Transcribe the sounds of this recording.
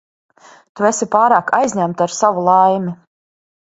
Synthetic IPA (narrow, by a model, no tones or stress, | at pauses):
t̪uesipaːɾaːkʰajzʲɲæmt̪aɾsavulˠajmʲi